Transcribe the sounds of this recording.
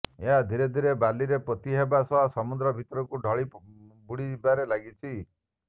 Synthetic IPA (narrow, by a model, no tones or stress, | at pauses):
eɦad̪ʱiɾed̪ʱiɾebaliɾepɾɔt̪iɦebasɔɦasɔmud̪ɾɔbʱit̪ɔɾɔkuɖʱɔɭibuɽibaɾelaɡit͡ʃʰi